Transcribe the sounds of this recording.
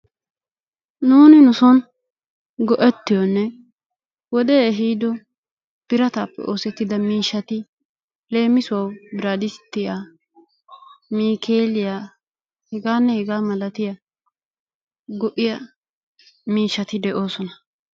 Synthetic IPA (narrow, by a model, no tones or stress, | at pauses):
nuːnɪnʊsɔn | ɡɔʔɛt̪ːɪjɔnːɛ | wɔd̪eːɦiːd̪ɔ | b̥ɪɾɐt̪aːpːɛ̰ʔo̞ːsɛt̪ːɪd̪ɐmiːʃːɐt̪ɪ | le̞ːmːɪsʊwɐwbɪɾaːd̪ɪst̪ːɪjaː | miːkʰeːlɪjaː | hɛɡaːnːɛhɛɡaːmɐlɐt̪ɪjɐ | ɡɔʔɪjɐ | miːʃːɐt̪ɪd̪ɛʔo̞ːsɔnɐ